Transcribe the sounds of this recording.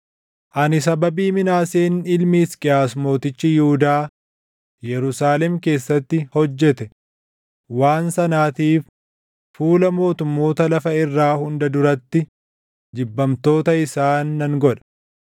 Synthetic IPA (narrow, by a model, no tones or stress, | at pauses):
ʔɐnɪs̬ɐbɐbiːmɪnaːseːnɪlmiːskʼɪjaːsmo̞ːt̪ɪt͡ʃːɪjɪhʊd̪aː | jɛɾʊsaːlɛmke̞ːsːɐt̪ːɪhɔd͡ʒːɛt̪ɛ | waːnsɐnaːt̪iːf | fuːlɐmo̞ːt̪ʊmːo̞ːt̪ɐlɐfɐɪrːaːhʊnd̪ɐd̪ʊɾɐt̪ːɪ | d͡ʒ̪ɪbːɐmt̪o̞ːt̪ɐɪsaːnːɐŋɡɔᶑɐ̥